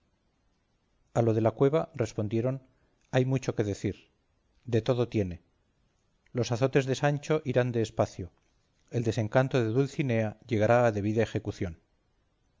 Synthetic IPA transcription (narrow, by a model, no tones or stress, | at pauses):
alo̞ðe̞lakwe̞βare̞spo̞nd̪je̞ɾo̞n | ajmut͡ʃo̞ke̞ðe̞θiɾ | d̪e̞t̪o̞ðo̞t̪je̞ne̞ | lo̞saθo̞t̪e̞zðe̞sant͡ʃo̞ʔiɾand̪e̞ːspaθjo | e̞ld̪e̞seŋkant̪o̞ðe̞ðulθine̞aʎe̞ɣ̞aɾaːðe̞β̞iðae̞xekuθjo̞n